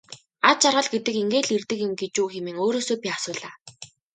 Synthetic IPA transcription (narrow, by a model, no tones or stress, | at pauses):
at͡ɕarʁə̆ɮɡet̪ɘ̆keŋɡeːɮirt̪ɘ̆kjɪ̆mɡet͡ɕuːxemĕːŋoːɾoːsoːpʲiːasʊːɮaː